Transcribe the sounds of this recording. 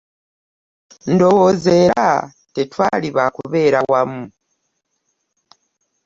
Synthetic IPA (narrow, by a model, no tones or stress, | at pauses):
ndo̞woze̞ːɾa | tetwaːliβakuβe̞ːɾawamːu